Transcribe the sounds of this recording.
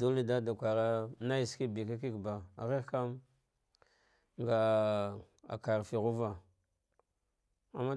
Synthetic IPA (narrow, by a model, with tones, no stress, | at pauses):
du˦li˦da˦da˨kʷa˨ɾa˦na˦ji˨ski˦bi˨ka˦ki˦kba˨ɣi˦ka˦m | ŋɡa˨ | a̰˨ka˨ɾfi˨ɣu˦va˨ | a˨mːa˦